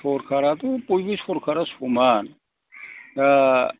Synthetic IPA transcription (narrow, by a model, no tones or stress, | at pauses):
oɾkʰaɾat̪upujbisoɾkʰaɾasuman | ja